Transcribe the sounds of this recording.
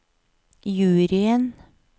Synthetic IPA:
jʉːɾɪən

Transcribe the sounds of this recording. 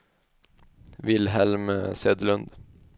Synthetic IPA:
ʋɪlhɛlmsøːd̪lʉnd̪

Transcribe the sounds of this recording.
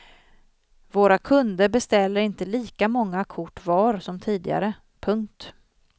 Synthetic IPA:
voːɾakʰɵnd̪əɾbɛst̪ɛlːəɾɪnt̪əliːkamɔŋːakʰʊʈːvɑːɾsɔmt̪ʰiːd̪ɪɡa̰ɾə | pʰɵŋk̚t̪

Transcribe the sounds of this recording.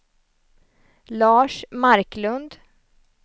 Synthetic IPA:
lɑːʂmaɾklɵnd̪

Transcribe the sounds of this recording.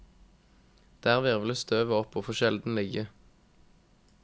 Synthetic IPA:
d̪̥æːʁʋeːʁʋɪləst̪ʰøːʋəɔpʰoːfoʃɛld̪n̩lɪɡə

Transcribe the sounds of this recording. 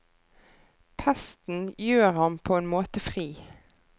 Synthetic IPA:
pʰæst̪n̩jøːʁhɑmpʰoːeːnmoːt̪əfʁiː

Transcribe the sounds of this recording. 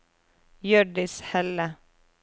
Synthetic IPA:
jøːɖɪshɛlə

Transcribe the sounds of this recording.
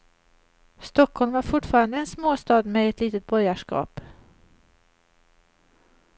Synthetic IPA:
st̪ɔkhɔlmvaɾfʊʈfɑːɾand̪əɛnsmoːst̪ɑːd̪mɛɛt̪ʰliːt̪ət̪̚bɔjaʂkɑ̰ːp

